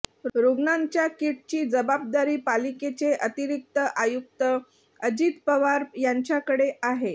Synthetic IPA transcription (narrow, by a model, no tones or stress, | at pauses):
ɾoɡnaɲt͡ɕjakiʈ̚t͡ɕiːd͡zəbab̚d̪aɾiːpaliket͡seʔət̪iɾik̚t̪əʔajuk̚t̪ə | əd͡ʑit̪pəʋaɾjaɲt͡ɕjakəɽeʔaɦe